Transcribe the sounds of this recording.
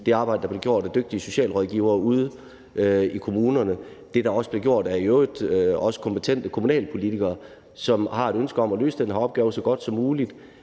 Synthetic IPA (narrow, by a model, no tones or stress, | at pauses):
d̥e̝ɑ̈ːbɑ̈ɪd̥əd̥ɑble̝ɡjo̝̰ɐ̰d̥æd̥øɡ̥̚d̥iəso̝ɕɛ̰ːlʁɒðˠɡ̥iːʊɐːuð̞ˠ | ikʰo̝muːnɐnəd̥e̝d̥ɑ̈ɒ̽səb̥le̝ɡjo̝ɐ̰d̥æɐiøʊɒ̽sə̥kʰɒ̽mpe̝t͡sʰen̰d̥əkʰo̝munɛ̰ːlpʰo̝lit͡sʰiɡ̥ɐː | sɒ̽mhɑ̈e̝ɾ̥ønsɡ̥əɒ̽mælø̰ːsəd̥enhæɒ̽b̥ɡ̥ɛːʊsɒ̽ɡ̥ɒ̽d̥sɒ̽mːuːlid̥